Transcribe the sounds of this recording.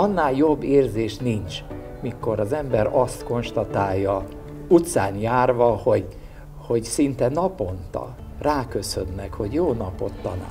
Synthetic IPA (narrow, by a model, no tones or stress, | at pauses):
ɒnːaːljo̞bːeːrzeːʃnint͡ʃ | miko̞ɾɒzɛmbɛɾɒst̪ko̞nʃt̪ɒt̪aːjːɒ | ut̪saːnjaːrʋɒho̞ɟ | ho̞ɟsint̪ɛnɒpo̞nt̪ɒ̰ | raːkø̞sønːɛkho̞ɟjoːnɒpo̞̰t̪ːɒna̰ː